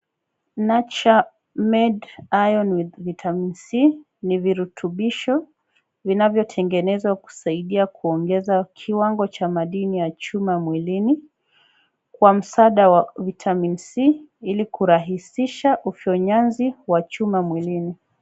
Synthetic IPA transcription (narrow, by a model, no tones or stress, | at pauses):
nat͡ʃa | mɛdajɔnwivitʰaminsi | niviɾutʰuɓiʃɔ | vinavjɔtʰɛŋɡɛnɛzwaku̥saiɗiakuɔŋɡɛzakʰiwaŋɡɔt͡ʃamaɗinijat͡ʃumamwilini | kwam̩saɗawavitʰaminsiilikuɾaɦisiʃaʔufjɔɲanziwat͡ʃumamwilini